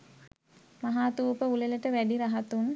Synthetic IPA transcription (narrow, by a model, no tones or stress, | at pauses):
maɦaːt̪uːpəuleləʈəʋæɖiɾaɦat̪un